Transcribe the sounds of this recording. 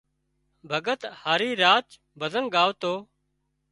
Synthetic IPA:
bʱəɡət̪haːɾiːɾaːt͡ʃ | bʱəzəŋɠaːʋt̪oː

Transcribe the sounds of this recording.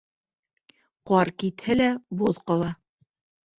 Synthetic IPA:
qɑɾkit̪hɘlæboðqɑlˠɑ

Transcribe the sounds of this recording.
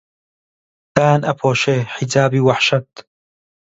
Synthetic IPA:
t̪aːnɐpʰoːʃeːħizaːbiːwɐħʃɐt̪̚

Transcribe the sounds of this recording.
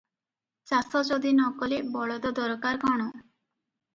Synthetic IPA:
t͡ʃasɔt͡ʃod̪inɔkɔlebɔɭɔd̪ɔd̪ɔɾɔkaɾkɔɽ̃ɔ

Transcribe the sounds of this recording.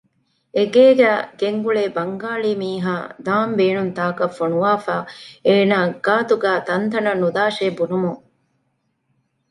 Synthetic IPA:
eɡeːɡæːɡ̥eŋɡuɭeːbɐŋɡaːɭiːmiːɦa̰ːd̪aːmbeːnunt̪aːkɐfonuʋaːfaːeːnaːɡaːt̪uɡæːt̪ɐnt̪ɐnɐnud̪aːʃeːbunumuŋ

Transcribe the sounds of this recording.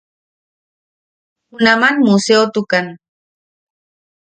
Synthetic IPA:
ʊnamanmuseot̪ʊkan

